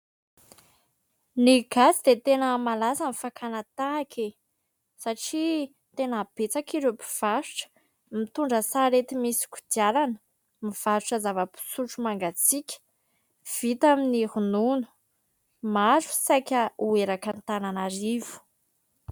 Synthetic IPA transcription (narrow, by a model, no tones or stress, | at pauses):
niɡ̥asid̪et̪enəmalasamifakʰanat̪aːkʰe | saʈ͡ʂi | t̪enəb̥et͡sakiɾepi̥v̥aɾu̥ʈ͡ʂə̥ | mit̪uɳɖ͡ʐəsaɾet̪imisi̥kʲu̥d̪jalanə̥ | miv̥aɾuʈ͡ʂəzavəpi̥suʈ͡ʂumaŋɡat͡sikʲə̥ | v̥it̪aminihununu̥ | maɾu̥sajkʲəueɾakant̪ananaɾivu̥